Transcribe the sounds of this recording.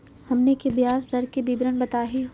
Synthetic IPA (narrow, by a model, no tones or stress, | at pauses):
hɐmnekebjaːzd̪ɐɾkebibɾənbɐt̪aːɦi